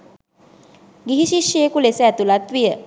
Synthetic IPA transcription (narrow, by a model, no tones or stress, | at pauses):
ɡiɦiʃiʃjəjekulesəæt̪ulat̪ʋijə